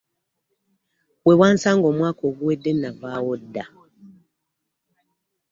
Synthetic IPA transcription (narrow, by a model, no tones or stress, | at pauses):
we̞waːnsaːŋɡo̞ːmwaːko̞ːɡuwedːenavaːwodːa